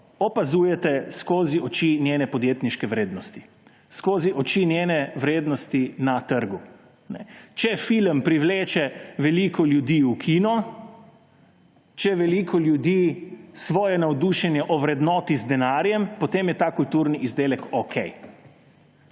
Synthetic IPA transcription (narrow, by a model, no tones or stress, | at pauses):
ɔpazuːjɛt̪ɛskoːziɔt͡ʃinjenɛpɔd̪jet̪niʃkɛʋɾeːd̪nɔst̪i̥ | skoːziʔɔt͡ʃinjenɛʋɾeːd̪nɔst̪inat̪əɾɡu | nɛ̰t͡ʃɛfilmpɾiʋleːt͡ʃɛʋɛlikɔljud̪iukʰinɔ | t͡ʃɛʋɛlikʰɔljud̪isʋɔːjɛnawd̪uʃɛnjɛʔɔʋɾɛd̪nɔːt̪izd̪ɛnaːɾjɛmpot̪eːmjɛt̪akult̪uːɾniʔizd̪eːlɛkokʰɛj